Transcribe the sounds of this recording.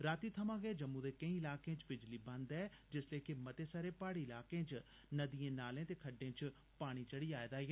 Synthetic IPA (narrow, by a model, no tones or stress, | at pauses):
ɾaːt̪iːt̪ʰəmãːɡɛːd͡ʒəmːũːd̪eːkə̃ĩːɪlaːkẽːt͡ʃbɪd͡ʒliːbə̃nd̪ɛːd͡ʒɪsleːkɪmət̪eːsaːɾeːpaːɽiːɪlaːkẽːt͡ʃ | nəd̪ijẽːnaːlẽːt̪eːkʰəɖẽːt͡ʃ | paːɽ̃iːt͡ʃəɽiːaːed̪aːeː